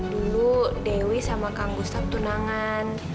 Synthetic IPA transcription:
duludɛwisamakaŋɡust̪ak̚t̪unaŋaan

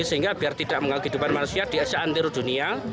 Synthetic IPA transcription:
səɦiŋɡab̥i̤art̪id̥aʔməŋalukɦid̪upanmanusiad̥iasaʔant̪iɾud̪̥ṳnia

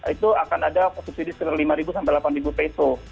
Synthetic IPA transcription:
it̪uakanadafɔsup̚sidisəkit̪arlimaɾibusampɛjlapanribupeso

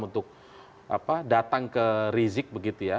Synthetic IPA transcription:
unt̪ʊk̚ | a̰padat̪aŋkəɾizɪk̚bəɡit̪uja

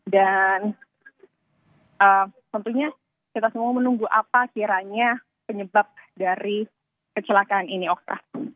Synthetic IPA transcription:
dan | ʔəːmt̪ɔnt̪uɲa | kit̪asəmuamənuŋɡuʔapakiɾaɲa | pəɲəbap̚daɾi | kət͡ʃəlakaːniniɔk̚t̪a̰

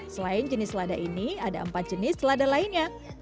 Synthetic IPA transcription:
səlaɪnd͡ʒənɪsladaʔiniada̰əmpat̪̚d͡ʒ̥ənɪsladalaɪnɲa

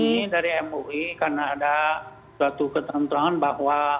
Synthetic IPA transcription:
idaɾiɛmoʔikarnaːda | suat̪ukət̪ənt̪uɾaŋanbaɦwa

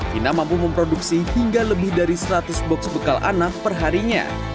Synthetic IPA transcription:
finamampuməmpɾoduksihiŋɡaləbɪhdaɾisɾat̪ʊsbɔksbəkalʔa̰nak̚pərɦaɾiɲa̰

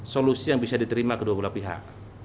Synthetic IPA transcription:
solusijaŋbisadit̪əɾimakəduabulahpiɦa̰ʔ

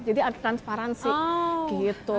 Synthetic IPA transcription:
d͡ʒad̪iat̪ɾanspaɾansiɡ̥it̪u

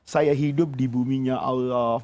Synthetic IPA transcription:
sajaɦidʊp̚dibumiɲãʔalɔ

